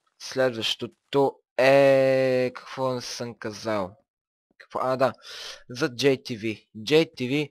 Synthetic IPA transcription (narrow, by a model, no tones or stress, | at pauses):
slɛd̪vəʃt̪ot̪o | ɛ | kɐ̥kvɔnsəmkɐzalˠ | kɐ̥kfɔʔad̪azɐd͡ʒɛjt̪ivi | d͡ʒɛjt̪ivi